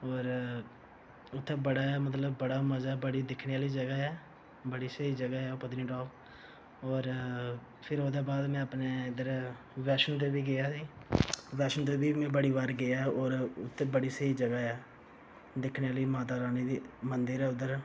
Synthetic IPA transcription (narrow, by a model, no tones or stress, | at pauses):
ɔːɾ | ʊt̪ʰːeːbəɽaːɛːmət̪̬ləbːəɽaːməzaːbəɽiːd̪ɪkʰneːaːliːd͡ʒəɡaɦɛː | bəɽiːsəiːd͡ʒəɡaːɦɛːopət̪niːʈɔːb | ɔːɾ | pʰɪɾɦoːd̪eːbaːd̪mɛ̃ːəpneːɪd̪əɾ | ʋɛːʃənt̪̬eːbiːɡɪjaːsiːʋɛːʃənt̪̬eːbʱiːmɛ̃ːbəɽiːʋaːɾɡɪaɛɔːɾʊt̪ʰːeːbəɽiːsəiːd͡ʒəɡaɛː | d̪ɪkʰneːaːliːmaːt̪̬aːɾaːniːd̪iːmənd̪əɾɛːʊd̪əɾ